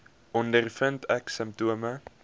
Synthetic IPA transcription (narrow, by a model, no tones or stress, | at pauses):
ʔɔndərfəntɛksəmp̚tuəmə